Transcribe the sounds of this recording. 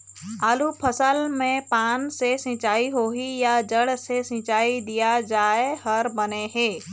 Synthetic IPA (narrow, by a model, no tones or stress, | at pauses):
aːlupʰəsəlmẽpaːnsesɪ̃t͡ʃaːiɦoːɦijad͡ʒəɽsesɪ̃t͡ʃaːid̪ijad͡ʒaːehɐɾbɐneɦeː